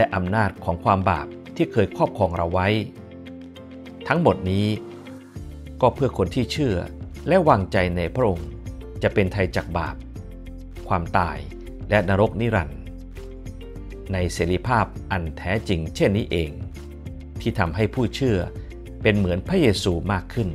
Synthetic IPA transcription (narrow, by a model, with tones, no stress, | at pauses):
lɛ˦˥ʔa˧mnaː˥˩t̪̚kʰɔː˩˦ŋkʰwaː˧mba̰ː˨˩p̚t̪ʰiː˥˩kʰɤː˧jkʰɔː˥˩p̚kʰɔː˧ŋɾa̰˧wːa˦˥j | t̪ʰa˦˥ŋmo˨˩t̪̚niː˦˥ | kɔː˥˩pʰɯː˥˩ɐkʰo˧nt̪ʰiː˥˩t͡ɕʰɯ˥˩ɐ | lɛ˦˥ʔwaː˧ŋt͡ɕa˧jna˧jpʰɾa˦˥ʔo˧ŋt͡ɕa˨˩ʔpe˧nt̪ʰa˧jt͡ɕaː˨˩k̚ba̰ː˨˩p̚ | kʰwaː˧mt̪a̰ː˧˩j | lɛ˦˥naː˧ɾo˦˥k̚niː˦˥ɾa˧n | na˧jseː˩˦ɾi˧pʰaː˥˩p̚ʔa˧nt̪ʰɛː˦˥t͡ɕi˧ŋt͡ɕʰe˥˩nːiː˦˥ʔeː˧ŋ | t̪ʰiː˥˩t̪ʰa˧mɦa˥˩jpʰuː˥˩t͡ɕʰɯ˥˩ɐ | pe˧nmɯ˩˦ənpʰɾa˦˥jeː˧suː˧maː˥˩kʰːɯ˥˩n